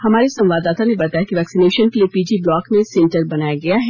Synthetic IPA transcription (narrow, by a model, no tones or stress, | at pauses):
hɐmaːɾesɐ̃mʋaːd̪aːt̪anẽbɐt̪aːjakiʋɛːksineːʃənkeliepiːd͡ʒiblɔːkmẽsɛ̃ɳʈəɾbɐnaːjaɡɐjaɦɛː